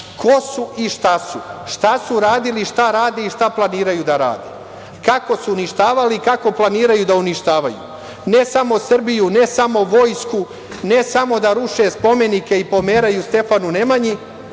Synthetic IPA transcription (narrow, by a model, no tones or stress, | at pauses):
kʰo̞suʔiʃt̪asuʃt̪asuɾaːd̪iliʃt̪aɾaːd̪eiʃt̪aplˠaniːɾajud̪aɾa̰ːd̪ḛ | kako̞suːniʃt̪aːʋalikako̞plˠaniːɾajud̪auniʃt̪aːʋajṵ | ne̞samo̞sr̩bijune̞samo̞ʋo̞jsku | ne̞samo̞d̪aɾuʃe̞spo̞me̞nike̞ipo̞me̞ːɾajust̪e̞fanune̞maɲi